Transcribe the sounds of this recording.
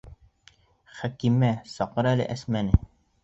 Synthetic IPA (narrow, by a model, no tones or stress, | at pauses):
χækimæsɒqɤ̆ɾælɘ̰ʔæsmænɘ